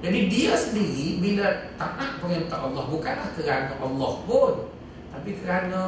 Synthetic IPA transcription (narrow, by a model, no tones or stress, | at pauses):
d͡ʒadidiasəndiɾiminɾat̪̚ːanaʔpəŋənt̪aʔːlːɔhbukanlahkəɾanaʔɑlːɔhpʊn | t̪apikəɾana